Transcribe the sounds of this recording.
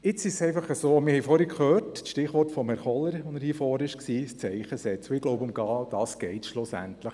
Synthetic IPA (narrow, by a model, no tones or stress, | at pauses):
ɪt͡sɪʃsɛɪfɑχəsoːɔmɪɾhɛjfoːɾikʰhøːrtsʃtɪχʋɔɾtfɔmhɛɾχɔlːəɾɔnəɾhifɔːɾɪʃksiːst͡sɛɪχəsɛt͡soɪɡ̥lɔʊbʊmɡɑːd̥ɑːsɡ̥ɛɪtʃlʊsæ̰ntləχ